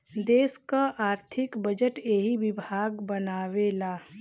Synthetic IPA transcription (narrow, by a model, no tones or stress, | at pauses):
d̪eːskaʔaːɾt̪ʰɪkbəd͡ʒəʈeɦiʋɪbʱaːɡbɐnaːʋelaː